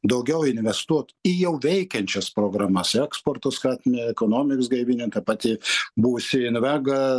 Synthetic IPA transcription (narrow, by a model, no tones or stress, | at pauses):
d̪ɐʊɡʲɛʊɪnʲʋʲɛst̪uɔt̪ɪjɛʊʋʲɛɪkʲɛnʲt͡ʃʲɛspɾoːɡɾɑːmɐsɛkspoːrt̪oskɑːt̪ʲmʲeːɛkoːnoːmʲɪksɡɐɪʋʲɪnʲɪŋkɐpɑːt̪ʲiːbuːʋʊsʲɪɪnʋʲæːɡɐ